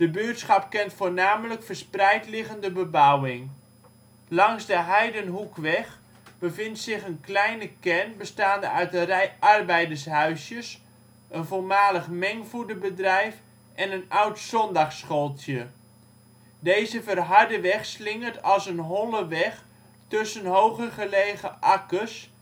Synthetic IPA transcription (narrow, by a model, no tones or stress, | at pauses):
d̥əbøətsχɑp̚kɛntfoːɹnaːmələkfərsprɛjtlɪɣəndəbəbawɪŋ | lɑŋzdəɦɛjdənɦukʋɛχ | b̥əvɪntsɪχənklɛjnəkɛnbəstaːndəœɥtənrɛjʔɑrbɛjdəɹsɦœɥsjəs | ʔənvolmaːləχmɛŋfudəbədrɛjf | ʔɛnənawtsɔndɑχsχolˠtʰjə | dejzəvərɦɑɹdəʋɛχslɪŋəɹtɑlˠsənɦɔləʋɛχ | tɵsənɦowχəχəleːɣəʔɑkəs